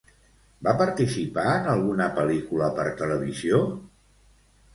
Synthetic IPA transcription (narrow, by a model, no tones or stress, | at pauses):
bapəɾt̪isipaənəlˠɣunəpəlikuləpəɾt̪ələβ̞izio